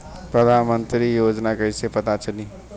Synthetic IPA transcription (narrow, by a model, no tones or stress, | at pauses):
pɾəd̪ʱanmənt̪ɾijod͡ʒnakəjsepət̪at͡ʃʰəni